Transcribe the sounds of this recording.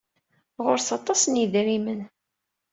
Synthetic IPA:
ʁʊɾθɑt̪ˤɑsnjiðɾimən

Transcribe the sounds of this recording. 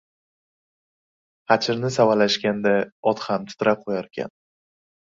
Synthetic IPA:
hat͡ʃʰɪɾnɪsavalaʃkʲand̪aɒt̪hamt̪ʰʊ̥t̪ɾʔaqʰojaɾkʲʰa̰n

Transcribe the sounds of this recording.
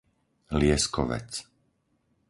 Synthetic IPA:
lɪɛskɔʋɛ̰t͡s

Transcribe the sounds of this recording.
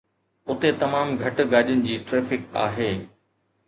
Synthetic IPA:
ʊt̪et̪ɐmaːmɡʱɐʈʊ̆ɡaːʄənɪ̆d͡ʑiːʈɾeːfɪka̰ːɦeː

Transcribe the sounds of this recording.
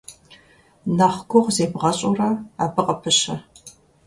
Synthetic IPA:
nɐχɡʷʊʁʷzeːbʁɐɕʼurɐaːbɨqʼɐpʰɨɕɐ

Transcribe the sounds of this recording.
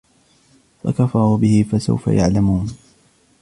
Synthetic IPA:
fa̰kafɑɾˤubɪhɪfasa̰wfa̰jaʕlamuːn

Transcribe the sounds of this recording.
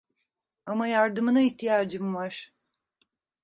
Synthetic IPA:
amajaɾd̪ɯmɯnaiht̪ʰijaːd͡ʒɯmvaɾ̥

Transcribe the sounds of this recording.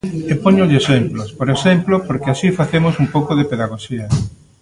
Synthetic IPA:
epoɲoʎesemplospoɾesemplopoɾkeasifaθemosumpowkoðepeðaɣoʃiɐ

